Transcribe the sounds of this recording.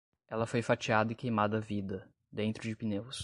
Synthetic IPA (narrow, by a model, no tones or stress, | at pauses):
ɛlɐfojfat͡ʃiad̪ɐɪkejmad̪ɐvid̪ɐ | d̪ẽnt̪ɾʊd͡ʒɪpinews